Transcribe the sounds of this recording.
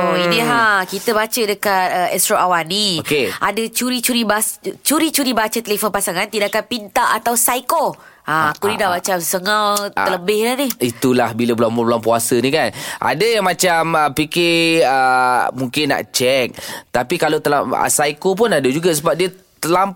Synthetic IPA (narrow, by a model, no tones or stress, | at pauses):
oiniɦakit̪əbat͡ʃədəkat̪̚əɛst̪ɾoawaniokeʔadət͡ʃuɾit͡ʃuɾibast͡ʃuɾit͡ʃuɾibat͡ʃət̪əlefonpasaŋant̪idaʔkanpint̪aʔat̪awsajko | aakunidaʔbat͡ʃamsəŋawt̪ələbɪhlaniit̪ulahbiləbəlaŋbubəlaŋpuasənikanʔa̰dəjaŋmat͡ʃaməpikɪəmuŋkɪnːa̰ʔt͡ʃɛk̚t̪apikalot̪əla̰mə̰sajkop̬ʊnadəd͡ʒuɡasəbap̚diə | t̪əlam̚